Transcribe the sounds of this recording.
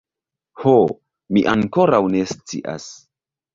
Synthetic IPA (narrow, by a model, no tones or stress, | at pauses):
ho | miʔaŋko̞ɾawnest͡sḭʔa̰s